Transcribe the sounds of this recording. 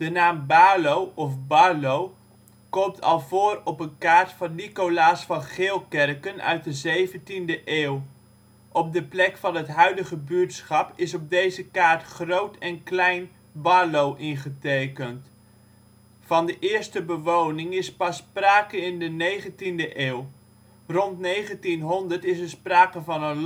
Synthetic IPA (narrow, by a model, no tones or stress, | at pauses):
d̥ənaːmbaːlowɔfbalow | kɔmtʰɑ̰lˠvoːɾɔpənkaːɹtfɑnːikolaːsfɑnχɪːlˠkɛrkənœ̰ɥt̚dəzejvəntindəʔeːw | ʔɔb̚dəplɛkfɑnɦətɦœɥdəχəbytsχɑpɪsɔb̚dejzəkaːɹtχrowtɛnklɛjn | balowʔɪnχətejkənt | fɑndəʔɪːɹstəbəʋownɪŋɪspɑspraːkənɪndənejχəntindəʔeːw | rɔntnejχəntinɦɔndəɹtɪs̬əɹspraːkənvɑnən